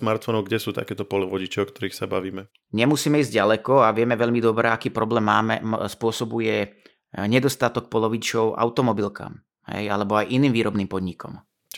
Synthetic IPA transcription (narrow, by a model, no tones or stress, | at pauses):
smaɾt̪fɔnɔʊɡɟɛsuːt̪a̰kɛːt̪ɔpɔlɛʋɔɟit͡ʃɛɔkt̪ɔɾiːxsaba̰ʋiːmɛ | ɲɛmusiːmɛiːzɟɟalɛkɔaʋɪɛmɛʋɛʎmid̪ɔbɾɛːakiːpɾɔblɛːmːaːmɛspʊɔsɔbujɛ | ɲɛd̪ɔst̪at̪ɔk̚pɔlɔʋit͡ʃɔʊʔa̰ʊt̪ɔmɔbilka̰ːm | ɦɛ̰jalɛbɔajʔiniːmʋiːɾɔbniːmpɔd̪ɲikɔ̰m